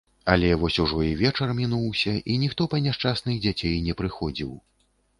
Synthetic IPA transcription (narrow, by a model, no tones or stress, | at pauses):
ɐlʲɛvɔsʲuʐɔivʲɛt͡ʂɐrmʲinuwsʲɐʔinʲixt̪ɔpɐnʲɛʂt͡ʂasnɨɣd͡zʲat͡sʲejnʲɛpɾɨxɔd͡zʲiw